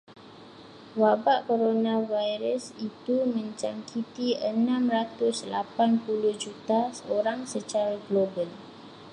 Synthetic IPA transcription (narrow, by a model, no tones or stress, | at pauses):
wabaʔkoɾonãvajɾəsit̪umə̃ɲt͡ʃaŋkʰit̪iənãmrat̪ʊslapanpuluhd͡ʒut̪asəoɾaŋsət͡ʃaɾaɡlobəl